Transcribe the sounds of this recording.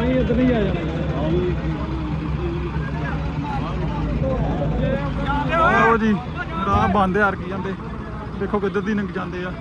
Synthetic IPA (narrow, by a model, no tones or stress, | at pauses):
ĩːɪd̪niːaːja | əɾoːd͡ʒiː | dãːbãːnd̪eːaɾkiːãːnd̪eː | d̪eːkʰːoːkɪd̪əd̪iːnəŋkd͡ʒãːnd̪eːaː